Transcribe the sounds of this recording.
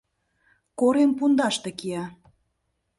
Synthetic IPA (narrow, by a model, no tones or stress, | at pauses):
koɾempund̪ɑʃt̪ekiɑ